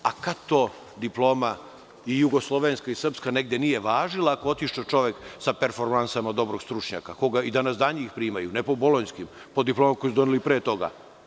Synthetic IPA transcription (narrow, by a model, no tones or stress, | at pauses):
akat̪o | d̪iplˠo̞ːma | ijuɡo̞slˠo̞ʋenskaisr̩pskane̞ɡd̪enije̞ʋaːʒilˠaːko̞ot̪iʃt͡ʃat͡ʃo̞ʋeksapeɾfoɾmansamad̪o̞bɾo̞ɡ̥st̪ɾut͡ʃɲa̰kako̞ɡaid̪anasd̪aːɲiixpɾiːmajunepo̞bolˠoɲskim | pod̪iplo̞ːmako̞jisd̪o̞nilipɾeːt̪o̞ɡa̰